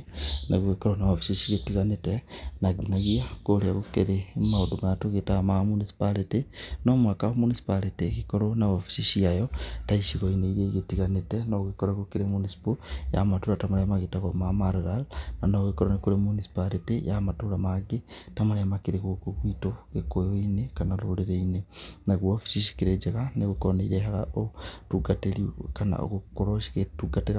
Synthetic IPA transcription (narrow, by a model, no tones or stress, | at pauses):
neɣuekoɾonaβofi̥ʃiʃiɣetiɣanetenaɡinaɣiakoliaɣukeɾemaudumatoɣetamamunisi̥palitenomwakaomunisi̥palitekikoɾonaβofi̥ʃiʃiajotaiʃiɣoineiɾeɣetiɣanetenoɣekoɾaɣukiɾemunisi̥poja̰matuɾatamaɾemaɡetaɣomamaɾeɾalnanoɣekoɾonekoɾemunisi̥palitejamatuɾamaɡetamaɾemakiɾekokuɣwitokekojoinekanaɾoleɾeinenaɣwofi̥ʃiʃi̥kiɾed͡ʒeɣaneɣukoneiɾehaɣaotuɡateɾikana̰o̰ɣukoɾoketuɡateɾa